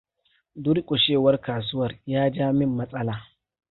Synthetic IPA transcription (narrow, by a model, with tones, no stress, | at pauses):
dʊ˦ɾkʼʊ˨ʃeː˦˨wɐ˦rkaː˨s̬ʊ˦wɐ˨rjaː˦d͡ʒaː˦mɪ˦mːɐ˦sʼɐ˦laː˨